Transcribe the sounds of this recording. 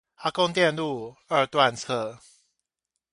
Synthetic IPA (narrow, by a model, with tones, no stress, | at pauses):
a˥kɔ˥˦ŋt̪jɛ˥˨nlu˥˨ə˥˧t̪wa˥˨nt͡sʰɤ˥˨